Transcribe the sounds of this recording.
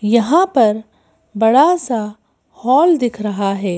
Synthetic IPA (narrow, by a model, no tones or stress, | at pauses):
jɐɦãpɐɾ | bɐɽasa | hɔːld̪ɪkʰɾɐɦaɦɛː